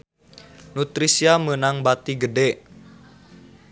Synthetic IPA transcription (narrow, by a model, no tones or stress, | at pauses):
nut̪ɾisiamənaŋbat̪iɡədɛ